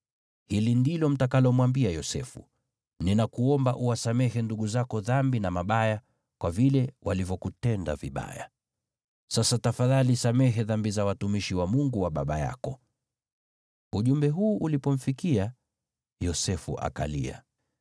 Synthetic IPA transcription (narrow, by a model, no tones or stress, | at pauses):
hilindilɔm̩takalɔmwambiajɔsɛ̰fṵ | ninakuɔmbaʔuwasamɛhɛnduɠuzakɔðambinamaɓaja | kwavilɛwʔalivjɔkutɛnda̰viɓa̰ja̰ | sasatafaðalisamɛɦɛðambizawatumiʃiwamuŋɡuwaɓa̰ɓaja̰kɔ | uʄumbɛɦuːʔulipɔm̩fikia | jɔsɛfṵʔa̰ka̰lḭa̰